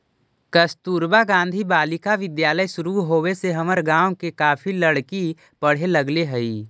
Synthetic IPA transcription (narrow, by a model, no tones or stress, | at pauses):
kəst̪uːɾbaɡãːnd̪ʱibaːlɪkaʋɪd̪jaːləjsʊɾuɦoːweseɦɐməɾɡãːwkekaːpʰiləɽki | pəɽ̤eləɡleɦəiː